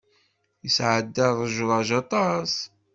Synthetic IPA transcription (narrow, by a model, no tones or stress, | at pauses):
jəsʕəd̪ːəɾˤəʒðˤɑʒɑt̪ˤɑs